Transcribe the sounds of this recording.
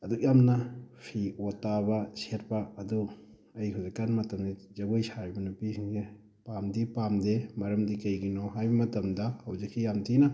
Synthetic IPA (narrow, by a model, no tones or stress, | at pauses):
ɐdujamnɐpʰiotabɐset̚pɐɐdu | ɐjkʰawzikːanmɐtɐmdizɐɡojsaɾibɐnupisʰiŋze | pamdipamdemɐɾɐmdikɐjɡinoɦajbɐmɐtɐmdɐhɐwzikːijamtinɐ